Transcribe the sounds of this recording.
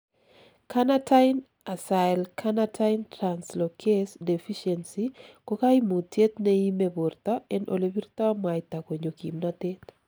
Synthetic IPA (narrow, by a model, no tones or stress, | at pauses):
kʰanatʰaɪn | asalkʰanatʰaɪntɾanslokʰesdefiʃɛnsikokaimutjet̪neimebort̪aɛnʔo̰lebiɾt̪amaɪt̪akoɲokimnat̪et̪